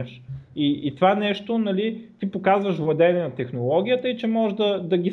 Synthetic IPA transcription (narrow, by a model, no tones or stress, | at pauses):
ɛʃiːt̪ovanɛʃt̪onɐlit̪ipokazvəʃvlˠɐd̪ɛnɛnɐt̪ɛxnolˠɔɡʲijət̪əit͡ʃɛmɔʒd̪ɐd̪ɐɡʲis